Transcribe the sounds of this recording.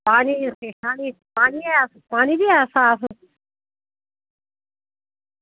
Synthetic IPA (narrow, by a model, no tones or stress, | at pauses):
paːniseːʃaːni | paːniaspaːnibiasãs